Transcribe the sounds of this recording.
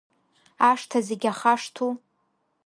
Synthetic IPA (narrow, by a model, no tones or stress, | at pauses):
aʂtʰazeɡʲaχaʂtʰu